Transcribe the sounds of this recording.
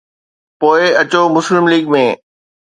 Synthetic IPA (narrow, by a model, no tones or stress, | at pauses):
poːɪɐt͡ɕomʊslɪmliːɡmẽː